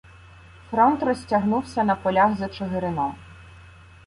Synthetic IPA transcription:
fɾɔnt̪rɔsʲtʲɐɦnuwsʲɐnɐpɔlʲaxzɐt͡ʃɔɦɪɾɪnɔ

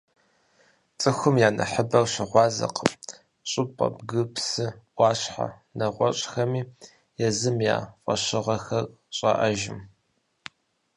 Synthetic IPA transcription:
t͡sʼɨxʷʊmjaːnɐ̰ħəbɐrɕɪʁʷɑːzɐ̰qʰəm | ɕʼɨpʼɐ̰bɡɨpsɨʔʷɑːɕħa̰ | nɐʁʷɔɕʼxɐmiː | jɛzɨmja̰ːfʼɐɕɪʁɐxɐr | ɕʼɐ̰ʔɐʒɪ̰m

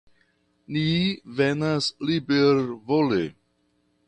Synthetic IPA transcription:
nivenaslibeɾvolḛ

